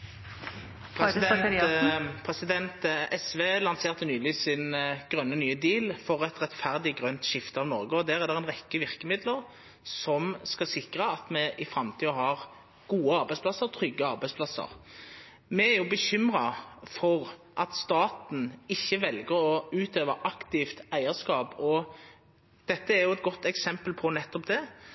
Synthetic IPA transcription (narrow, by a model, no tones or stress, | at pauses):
pʰs | pʰʁɛsɪd̪ɛnt̪ɛsʋeːlɑnseːʁt̪ənyːlɪsɪnɡ̥ʁœnːənyːəd̪iːlfɔɾɛt̪ʁɛt̪fæʁd̪ɪɡʁœnt̪ʃɪft̪əɑʋnɔʁɡəɔd̪æːʁæʁd̪ɛʁɛnʁɛkːəʋɪʁkəmɪd̪ləʁ | sɔmskɑsɪkʁəɑt̪mɛʔɪfʁɑmt̪ʰiːəɦɑʁ | ɡ̥uːəɑɾbæɪspʰlɑsːəʁt̪ʰʁʏɡːəɑʁbæɪspʰlɑsə̰ʁ | mɛæɾjʊbəçʏmʁɑfɔʁ | ʔɑt̪st̪ɑːt̪n̩ɪçːəʋɛlɡəʁɔʉːt̪øːʋəʔɑkt̪ɪft̪æɪəskɑːpɔ | d̪̥ɛt̪ːəæʁjʊɛt̪̚ɡɔt̪ːɛksɛmpəlpʰɔnɛt̪ːɔpd̪ɛ